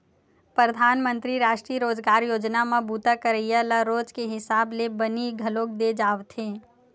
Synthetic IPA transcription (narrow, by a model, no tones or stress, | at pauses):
pɾəd̪ʱaːnmə̃nt̪ɾiɾaːʃʈɾiəɾoːd͡ʒɡaːɾjoːd͡ʒnamãbuːt̪akəɾəijalaɾoːd͡ʒkeɦɪsaːblebəniɡʱɐloːkd̪ed͡ʒaːʋt̪ʰẽː